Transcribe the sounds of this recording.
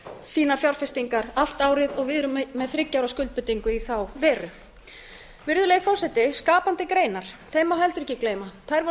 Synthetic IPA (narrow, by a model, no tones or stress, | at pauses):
siːnafjawɾ̥fɪst̪iŋkaɾal̥t̪aːwɾɪðɔɣvɪðɾʏmɛðθɾɪcːawɾaskʏlt̪̚pʏt̪iŋkʏiθawvɛːɾʏ | vɪɾðʏlejɣfɔsɛt̪ɪskaːpant̪ɪkɾeːjnaɾ̥θʰeːjmaɦɛlt̪ʏɾɛcːɪkleːjmat̪ʰajɾvɔ